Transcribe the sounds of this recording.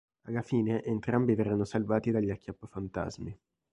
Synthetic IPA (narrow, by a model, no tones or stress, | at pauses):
a̰lːafiːneʔent̪ɾambivɛrːanːosalvaːt̪id̪aʎːiakʰʲːjapːofant̪a̰zmi